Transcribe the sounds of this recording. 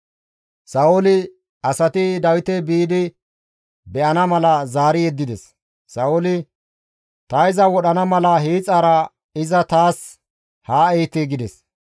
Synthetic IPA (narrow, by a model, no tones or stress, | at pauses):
sɐwʊlɪ | ɐsɐt̪ɪd̪ɐwɪt̪ɛbiːd̪ɪ | bɛʔɐnɐmɐlɐzaːɾɪjɛd̪ːɪd̪ɛsː | ɐwʊlɪ | t̪ɐɪzɐwɔɗɐnɐmɐlɐɦiːt͡sʼɐːɾɐ | ɪzɐt̪aːs | haːɛjt̪ːɪɡɪd̪ɛs